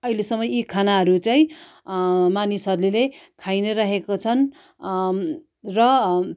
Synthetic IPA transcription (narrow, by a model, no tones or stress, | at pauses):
ʌɦilesʌmːʌikʰanaɦʌɾut͡sajĩ | manisʌrlulekʰajnʌɾaɦekot͡sʰʌn | rʌ